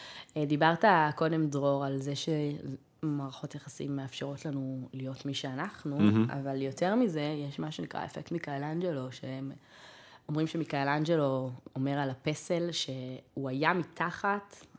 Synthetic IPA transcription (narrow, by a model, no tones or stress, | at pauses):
d̪ibaʁtako̞de̞mdʁo̞ʁalzeʃe | maːʁaχo̞tjaχasḭmːeafʃeʁo̞tlanulijo̞tmiʃeanaχnua̰valjo̞tʰeʁmize̞jeʃmaʃenikʁa̰efektmikaland͡ʒelo̞ʃeem | o̞mʁimʃemikaland͡ʒelo̞omeʁalape̞selʃe̞uajamitʰaχat